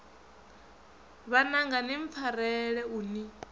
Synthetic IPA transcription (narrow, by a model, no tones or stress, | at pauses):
βanaŋɡaniɱp̪fʰaɾɛɺɛuni